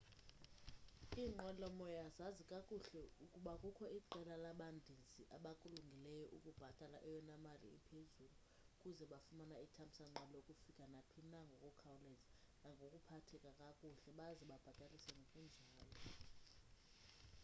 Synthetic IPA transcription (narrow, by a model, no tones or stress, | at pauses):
iŋ͡ǃɔlɔmɔjazazikʼakʼuɬɛukʼuɓakʼukʰɔiǃɛlalaɓandʱizʱiʔaɓakʼuluŋɡʱilɛjɔʔukʼub̥ʱatʼalaʔɛjɔnamalḭḭpʰezulu | kʼuzɛɓafumanaitʰambʱisaŋ͡ǃaloukʼufikʼanapʰinaŋɡʱɔkʼɔkʰawlɛznaŋɡʱokʼupʰatʰɛkʼakʼakʼuɬɛɓaziɓab̥ʱatʼalisɛŋɡʱokʼund͡ʒʱaːlɔ